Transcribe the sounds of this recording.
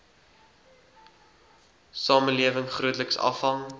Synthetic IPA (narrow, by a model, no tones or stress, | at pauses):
sɑːmənliəvəŋχruətləksɐ̰fɦɐŋ